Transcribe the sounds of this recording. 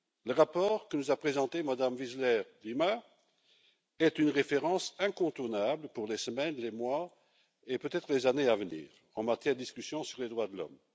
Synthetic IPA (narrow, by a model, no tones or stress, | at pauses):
ləʁapɔːʁkənuzapχezɑ̃t̪emad̪amvizlɛʁlima | ɛt̪ynʁefeʁɑ̃sɛ̃kɔ̃t̪uʁnabləpuʁlesəmɛnlemwa | epøt̪ɛt̪χəlezaneavənḭːʁ | ɑ̃mat̪jɛʁd̪əd̪iskysjɔ̃syʁled̪ʁwad̪əlɔ̰m